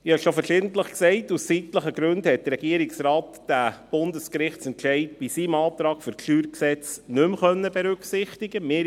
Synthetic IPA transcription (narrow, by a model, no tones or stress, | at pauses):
ɑʃofəɾʃɪːdən̩tləχksɛɪtussitləχəɡɾʉndhɛt̚dərɾɛɡiəɾɪksɾɑːtd̥æb̥ʊndəskɾɪχtt͡sɛnʃɛɪd̚b̥isiːmɑːt̪ɾɑːkfʏɾkʃyːɾksɛt͡snʏmχœnːəbɛɾʉksɪχtɪɡəmɪː